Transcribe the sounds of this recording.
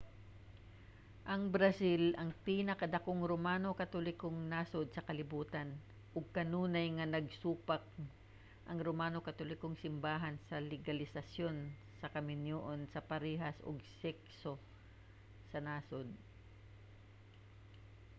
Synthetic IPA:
ʔɐŋbɾɐsilʔɐŋpiːnɐkɐd̪ɐkoŋɾomaːnokɐt̪olɪkoŋnaːsod̪̚sɐkɐlɪbuːt̪ɐn | ʔʊɡ̚kɐnuːnɐjŋɐnɐɡ̚suːpak̚ | ʔɐŋɾomaːnokɐt̪olɪkoŋsɪmbaːɦɐnsɐlɪɡɐlɪsɐsjo̞n | sɐkɐmɪnjoʔonsɐpɐɾiːɦɐsʔo̰ɡsɛkso | sɐnaːsod̪̚

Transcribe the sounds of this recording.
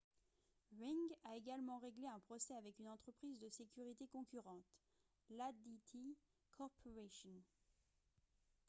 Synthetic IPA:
ʁiŋɡaeɡalmɑ̃ʁeɡleɛ̃pχɔsɛavɛkynɑ̃t̪χəpχizd̪əsekʲyʁit̪ekɔ̃kʲyʁɑ̃t̪ | lad̪it̪ʰi | kʰɔʁpʰɔʁeʃɔn

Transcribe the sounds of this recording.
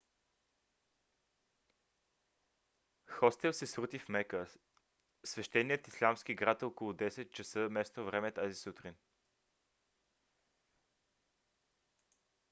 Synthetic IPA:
xɔst̪ɛlˠsɛsɾut̪ifmɛkə | svɛʃt̪ɛniət̪islʲamsk̟iɡɾat̪okolˠʊd̪ɛsɛt̪̚t͡ʃəsɤmɛst̪ovɾɛmɛt̪azisut̪ɾin

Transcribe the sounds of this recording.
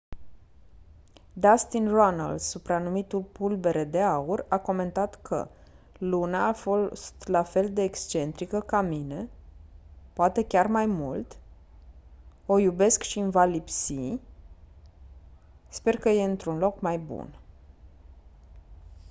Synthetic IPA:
d̪ast̪inrona̰ld̪supɾanumit̪ulpulbe̞ɾe̞d̪e̞aurako̞me̞nt̪at̪kʰə̰ | lunaːfo̞st̪lafe̞ld̪e̞ːkst͡ʃe̞nt̪ɾikəkamine̞ | poat̪e̞kʲarmajmṵlt̪ | o̞jube̞skʃiɨnvalipsi | spe̞rkəje̞ɨnt̪ɾunlo̞kmajbṵn

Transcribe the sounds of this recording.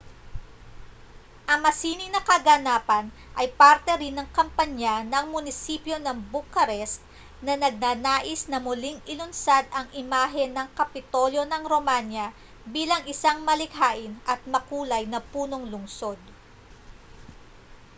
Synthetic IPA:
ʔɐŋmɐsiːnɪnɐkɐɡanaːpɐn | ʔɐjpaɾt̪ɛɾɪnːɐŋkɐmpɐɲanɐŋmʊnɪsipjo̞nɐŋbʊkɐɾɛs | nɐnɐɡ̚naɡnaːʔɪsnɐmʊliŋɪlʊnsad̪ɐŋʔɪmaːɦɛnɐŋkɐpɪt̪o̞ljo̞nɐŋɾo̞manjɐ | biːlɐŋʔɪsaŋmɐlɪkɦaːʔɪnʔɐt̪̚mɐkuːlɐjnɐpuːno̞ŋlʊŋso̞d̪̚

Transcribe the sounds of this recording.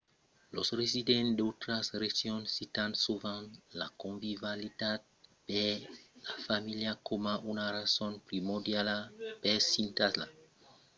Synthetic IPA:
losresid̪ẽnd̪ot̪ɾasresjonsit̪ansuvãŋla̰kõɱvivalit̪ad̪̚b̥elafamiljakomaʔunarasonpɾimoɾd̪jalapesint̪asla̰

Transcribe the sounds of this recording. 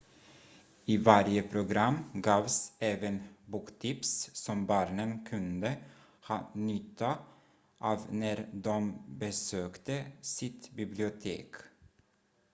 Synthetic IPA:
ɪvaɾjəpʰɾʊɡɾamːɡɑːvsɛːvənbuːkt̪ʰɪpssɔmbɑːɳənkʰɵnd̪ə | hɑ̰ːnʏt̪ʰːa | ʔɑːvnæɾd̪ɔmbɛsøːkt̪əsɪt̪bɪblɪʊt̪ʰḛːk

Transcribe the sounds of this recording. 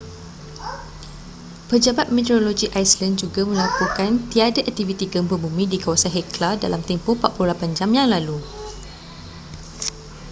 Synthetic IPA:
pəd͡ʒabat̪̚met̪əɾoloɡiʔajslãnd̚d͡ʒuɡamə̃lakukant̪iadaʔak̚t̪ivit̪iɡəmpəbumĩdikawasanɦɛklada̰lamt̪ɛmpʊhpat̪ʔ̚pululapand͡ʒamjaŋlalu

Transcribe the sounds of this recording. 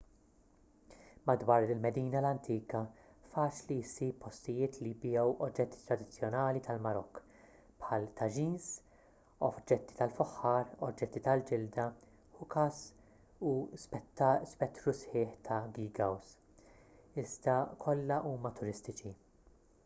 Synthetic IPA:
mɐd̪wɐːɾɪlmɛd̪iːnɐlɐnt̪iːkɐ | fɐːt͡ʃlisipːɔst̪ɪjɪːt̪libɪjɛwʔɔd͡ʒːɛt̪ːi̥t̪ɾɐd̪ɪt͡sːjɔnɐːlit̪ɐlmɐɾɔkː | pħɐːlt̪ɐd͡ʒiːns | ɔd͡ʒːɛt̪ːi̥t̪ɐlfɔħːɐːɾɔd͡ʒːɛt̪ːit̪ɐld͡ʒɪld̪ɐ | ʊkɐs | usspɛt̪ːɾusħɪːħt̪ʰɐɡiːɡɐws | ɪzd̪ɐkʰɔlːɐʔuːmɐt̪ʊɾɪst̪ɪt͡ʃi

